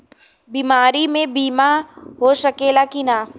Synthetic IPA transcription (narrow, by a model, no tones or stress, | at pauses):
bimaːɾimẽbiːmaɦoʃɐkeːlakinaː